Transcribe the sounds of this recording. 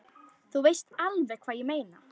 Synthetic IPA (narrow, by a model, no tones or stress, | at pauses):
θuvejst̪alvɛkʰv̥aːjɪmeːjna